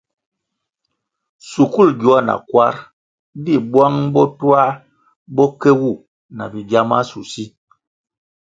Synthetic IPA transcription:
su˨ku˦lɟu˨˦a˦na̰˨kwa˦ɾ | bi˦˨bwa˦ŋbɔ˦tu˦a˦ | bɔ˦kɛ˦wu˦˨ | na˨bi˨ɡa˦ma˦su˨si˦

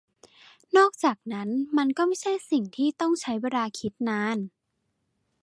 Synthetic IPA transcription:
nɔː˥˩k̚t͡ɕaː˨˩k̚na˦˥nma˧nkɔː˥˩ma˥˩jt͡ɕʰa˥˩jsi˨˩ŋt̪ʰiː˥˩t̪ɔ˥˩ŋt͡ɕʰa˦˥jwaː˧ɾaː˧kʰi˦˥t̪̚naː˧˥n

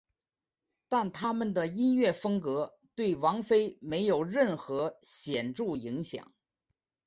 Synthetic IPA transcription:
t̪a˥˩nt̪ʰa˥mə˨nd̪ə˩i˥nɥɛ˥˩fɤ˥ŋkɤ˧˥ | t̪we˥˩ɪwɑ˧˥ŋfe˥ɪme˧˥ɪjo˨˩ʊɻə˥˩nxɤ˧˥ɕjɛ˨˩nʈ͡ʂu˥˩i˧˥ŋɕjɑ̰˨˩˦ŋ

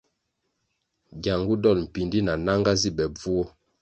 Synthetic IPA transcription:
ɡja˨ŋɡu˦dɔ˦lm̩˨pi˨ndi˦na˨na˦ŋɡa˦zi˦bɛ˨b͡vu˦ɔ˦

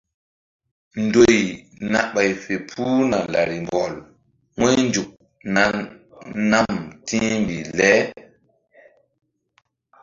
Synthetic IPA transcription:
ndoj | na˨ɓa˨jfe˨pʰuː˦na˨la̰ɾi˨mbɔ˨l | ŋɔ˦jnd͡ʒu˨k̚ | na | na˦mtʰi˦mbilɛː˦

